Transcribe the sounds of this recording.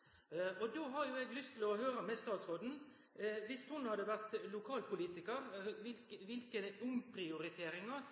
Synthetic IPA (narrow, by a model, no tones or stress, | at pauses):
ʔɔd̪oːɦɑʁjʊɛɡlʏst̪ʰɪlɔɦøːɾəmɛst̪ɑːt̪sʁoːd̪n̩ | ʋɪst̪hʊnhɑd̪əʋæʁt̪lʊkʰɑːlpʊliːt̪ɪkəɾʋɪlkʋɪlkəd̪ɛʔʊŋpʰɾɪʊɾɪt̪ʰeːɾɪŋɑ